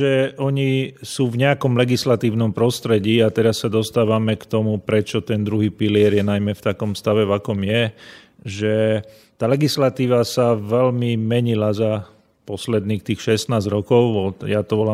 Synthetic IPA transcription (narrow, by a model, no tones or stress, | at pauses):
ɛʔɔɲisuːvɲɛakɔmlɛɡislat̪iːʊnɔmpɾɔst̪ɾɛɟiːat̪ɛɾasːad̪ɔst̪aːʋamɛkt̪ɔmupɾɛt͡ʃɔt̪ɛnd̪ɾuɦiːpilɪɛɾjɛnajmɛft̪akɔmfst̪aʋɛvakɔmjɛ | ʒɛ | t̪aːlɛɡislat̪iːʋasaʋɛlmimɛɲilaza | pɔslɛd̪niːxt̪iːxʃɛst̪naːzɾɔkɔʊʋɔjat̪ɔʋɔla